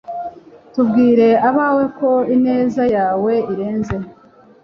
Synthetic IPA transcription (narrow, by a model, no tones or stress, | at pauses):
tubɡiːɾe̞aβaːwe̞ko̞ine̞ːzajaːwe̞iɾe̞ːnze̞